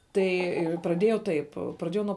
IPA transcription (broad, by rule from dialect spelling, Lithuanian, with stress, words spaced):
ˈtɐɪ prɐˈdʲeːjɛʊ ˈtɐɪp prɐˈdʲeːjɛʊ nuɔ